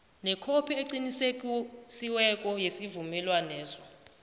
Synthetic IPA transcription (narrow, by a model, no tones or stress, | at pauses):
nɛkʰopʰieǀinisekʼusiwɛkʼɔjesivumɛlwanɛːzɔ